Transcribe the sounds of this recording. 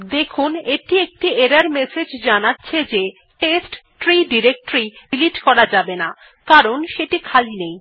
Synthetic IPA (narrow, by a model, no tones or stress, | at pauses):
d̪ekʰuneʈiek̚ʈieɾaɾmesed͡ʑd͡ʑanatːɕʰed͡ʑe | ʈesʈʈɾiɖiɾek̚ʈɾiiliʈkɔɾad͡ʑabena | kaɾonʃeʈikʰalinej